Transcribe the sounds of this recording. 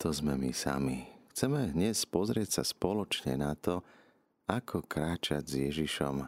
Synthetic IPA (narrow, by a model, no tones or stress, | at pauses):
t̪ɔzmɛmisa̰mixt͡sɛmɛdɲɛspɔzɾɪɛcsa̰spɔlɔt͡ʃɲɛ̰nat̪ɔ | akʰɔkɾaːt͡ʃaɟzjɛʒiʃɔ̰m